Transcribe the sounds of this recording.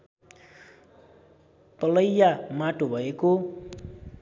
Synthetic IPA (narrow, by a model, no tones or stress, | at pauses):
t̪ʌlʌjːamaʈobʱʌeko